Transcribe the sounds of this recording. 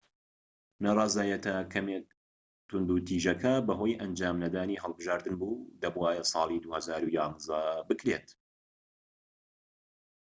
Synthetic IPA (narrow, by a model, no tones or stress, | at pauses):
narˤɑːzaːjɛt̪ʰɐkʰɐme | t̪ʰʊnd̪uːt̪ʰiːʒɐkʰɐbɐɦo̞jʔɐnd͡ʒaːmnɐd̪aːniːɦɐlˠbɨʒaːɾd̪ɨnbuːd̪ɐbwaːjɛsˤɑːlˠid̪uhɐzaːɾujɑːnzɐbɨkɾet̪